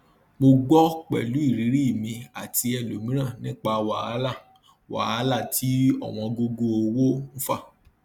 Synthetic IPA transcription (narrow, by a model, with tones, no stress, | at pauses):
mo˧ɡ͡bɔ˦k͡pɛ̰˨lu˨˦i˦˨ɾi˨˦ɾi˦i˦˨mĩ˧a˨tʰi˧ɛ˧lo˨mĩ˨˦ɾ̃ã˦˨nĩ˦k͡pa˧wa̰˨a˨˦la˦˨ | wa̰˨a˦la˦˨tʰi˦ɔ̰˦˨w̃ɔ̃˧ɡo˧ɡo˧o˧wo˦n̩˦fa˦˨